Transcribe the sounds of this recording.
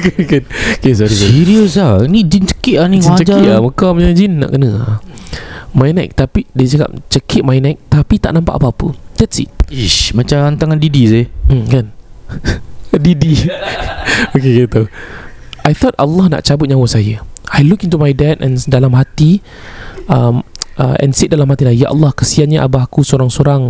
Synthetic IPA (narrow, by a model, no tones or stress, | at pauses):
kankankesɔɾisiɾiəsainid͡ʒint͡ʃə̥kiʔanikãt͡ʃəd͡ʒaiaməkamɲad͡ʒinːa̰ʔkənəa | majnɛ̰k̚t̪apidet͡ʃəka̰p̚t͡ʃəkʰit̚majnak̚t̪apit̪aʔnãmpa̰ʔapaapə̰d̥ɛtsḭt̚iʃmat͡ʃant̪aŋandidisem̩kan | didi | okekat̪o | ajt̪ɔt̚a̰lːahna̰ʔt͡ʃabʊt̚ɲãwəsajəajlukint̪umajdɛt̚ɛ̰̃ndalamɦat̪i | əmʔəɛ̰̃nsit̚dalamhat̪ilajjaʔa̰lːɑhkəsianɲaʔa̰bakusoɾaŋsoɾaŋ